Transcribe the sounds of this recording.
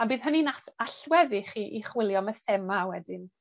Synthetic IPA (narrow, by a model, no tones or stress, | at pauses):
abiːðɦəninaaɬwɛðiχiʔiχwɪlˠjɔməθɛmawɛdɪn